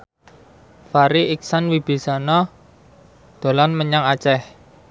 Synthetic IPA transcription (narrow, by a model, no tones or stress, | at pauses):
faɾiʔik̚sanwib̥i̤sanɔ | d̪̥o̤lanməɲaŋat͡ʃɛh